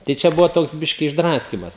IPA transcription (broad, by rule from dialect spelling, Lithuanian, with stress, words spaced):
tɐɪ ˈt͡ʃʲɛ ˈbʊʋoː ˈtoːks ˈbʲɪʃʲkʲɪ ɪʒˈdrɑːsʲkʲiːmɐs